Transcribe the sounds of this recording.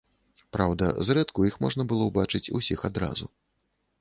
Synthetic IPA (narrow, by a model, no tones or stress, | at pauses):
pɾawd̪ɐ̰zrɛt̪kuixmɔʐnɐbɨlˠɔwbat͡ʂɨt͡sʲṵsʲixad̪ɾa̰zṵ